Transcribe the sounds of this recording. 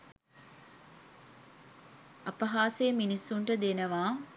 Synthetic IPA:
ɐpɐɦaːseːminisːuɳʈəd̪enəʋaː

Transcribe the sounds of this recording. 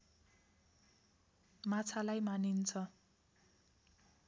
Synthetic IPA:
mat͡sʰalajmanint͡sʰʌ

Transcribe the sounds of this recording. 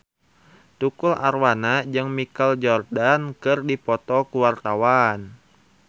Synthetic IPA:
t̪ukula̰rwanad͡ʒɨŋmikald͡ʒɔrdankɨrdipɔt̪ɔkuwart̪awan

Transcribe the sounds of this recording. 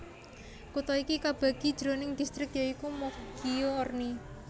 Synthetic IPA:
kut̪ɔikikab̥a̤ɡ̥id̥ʒ̥ɾonɪŋd̪̥ist̪ɾɪkjaikumɔfɡ̥ijorni

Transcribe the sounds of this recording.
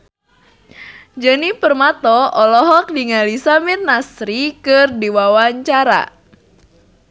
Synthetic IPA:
d͡ʒənipərmat̪ɔɔlɔɦɔk̚diŋalisamirnasɾikɨrdiwawaɲt͡ʃaɾa̰

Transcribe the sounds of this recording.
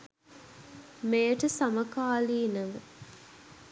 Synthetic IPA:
mejəʈəsɐmɐkaːliːnɐʋə

